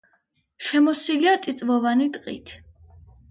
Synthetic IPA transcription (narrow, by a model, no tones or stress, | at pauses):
ʃɛmɔsiliat̪ʼit̪sʼvɔvanit̪ʼqʼḭt̪ʰ